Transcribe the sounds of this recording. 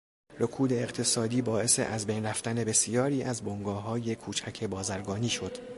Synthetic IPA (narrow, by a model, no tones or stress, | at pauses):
rokʰuːd̪e̞ːɣt̪ʰe̞sɒːd̪iːbɒːe̞se̞̰ʔæzbejnræft̪æne̞be̞sijɒːɾiːʔæzboŋɡɒːɦɒːje̞kʰuːt͡ʃʰæcʰe̞bɒːzæɾɡɒːniːʃo̞d̪̥